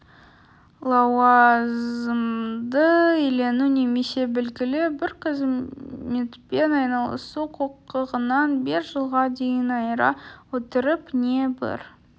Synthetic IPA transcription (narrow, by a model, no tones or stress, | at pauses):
lˠɑwɑzəmd̪əele̞nʉne̞me̞se̞bɪlɡʲɪlɪbɪɾqʰəzme̞t̪pe̞nɑjnɑlˠə̰suqʰoqəʁənɑnbeɾʒəlˠʁɑd̪e̞jənɑjɾɑ̰wɵt̪əɾəpne̞bɪ̰ɾ